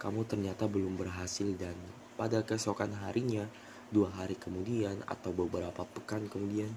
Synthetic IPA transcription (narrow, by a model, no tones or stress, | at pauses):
kamut̪ərɲat̪abəlʊmbərɦasɪldan | padakəsokanɦaɾiɲa | duaɦaɾikəmudiana̰t̪awbəbəɾapapəkankəmudian